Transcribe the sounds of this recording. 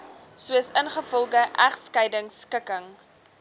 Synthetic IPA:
suəsənχəfɔlˠɡəʔæχskəjdəŋskəkəŋ

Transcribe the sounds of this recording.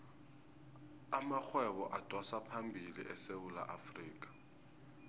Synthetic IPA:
amak͡xʰwɛβɔʔatʰʼwasapʰambʱilḭʔɛsewula̰ʔafriːk̬ʼḁ

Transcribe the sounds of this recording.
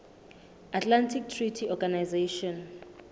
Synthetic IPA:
atʰʼlantʰik̚tʰritʰiɔɡanajzeʃɔn

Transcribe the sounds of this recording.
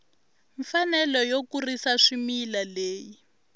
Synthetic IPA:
ɱfanɛlɔjokurisaʂimiːlaleːji

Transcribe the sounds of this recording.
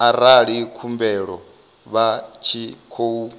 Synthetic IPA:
aɾaɺikʰumbɛɺɔ | βat͡ʃʰikʰou

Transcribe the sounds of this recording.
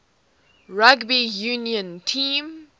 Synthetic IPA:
ɹaɡbijunjə̃ntʰĩːm

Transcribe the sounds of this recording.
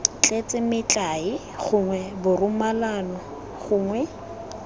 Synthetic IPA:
t͡ɬʼet͡sʼɪmɪt͡ɬʼaɪ | χʊŋwɛbʊrʊmalanɔ | χʊːŋwɛ

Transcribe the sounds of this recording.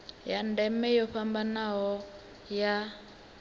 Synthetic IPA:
jandɛmɛjɔɸambanaɦɔ | ja

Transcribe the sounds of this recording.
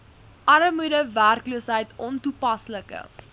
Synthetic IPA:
ʔɐɾəmudəværkluːsɦəjtɔntupɐsləkə̰

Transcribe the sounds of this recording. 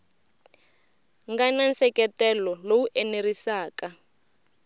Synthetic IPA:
ŋɡanansɛkɛtɛlɔlowuʔɛnerisaːka

